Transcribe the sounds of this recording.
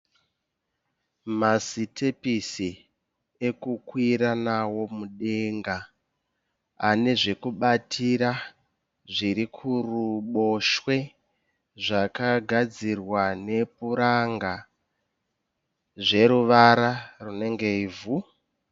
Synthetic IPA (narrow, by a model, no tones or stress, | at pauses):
masitʰepisi | e̞kukwiɾanawo̞muɗe̞ŋɡa | ane̞ʐe̞kuɓatʰiɾa | ʐiɾikʰuruɓo̞ʃwe̞ | ʐakaɡʱad͡zirwane̞puɾaŋɡa | ʐe̞ɾuʋaɾarune̞ŋɡe̞ivu